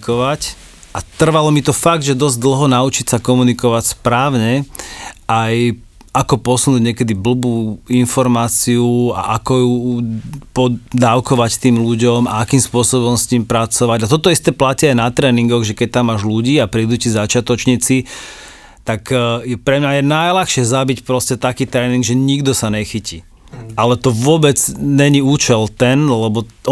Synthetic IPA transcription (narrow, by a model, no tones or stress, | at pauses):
kɔʋac | ʔat̪r̩ʋalɔmit̪ɔfaɡd̪ʒɛd̪ɔzd̪l̩ɦɔnaut͡ʃicsakɔmunikɔʋacspɾaːʊɲɛ | ʔaj | akɔpɔsunuːɟɲɛkɛd̪ibl̩buːinfɔɾmaːt͡siua̰ʔakɔju | pɔd̪aːʊkɔʋact̪iːmluɟɔmaakiːmspʊɔsɔβɔmst̪impɾat͡sɔʋaɟat̪ɔt̪ɔist̪ɛːplaciajnat̪ɾɛːniŋɡɔɣʒɛkɛc̚t̪amːaːʒluɟiːapɾiːd̪ucizat͡ʃɪat̪ɔt͡ʃɲit͡si | t̪akjɛpɾɛmɲajɛnajlaxʃɪɛzabicpɾɔscɛt̪akiːt̪ɾɛːniŋɡʒɛɲiɡd̪ɔsaɲɛxiciː | ʔalɛt̪ɔʋʊɔbɛd͡zɲɛɲiuːt͡ʃɛlt̪ɛnlɛbɔ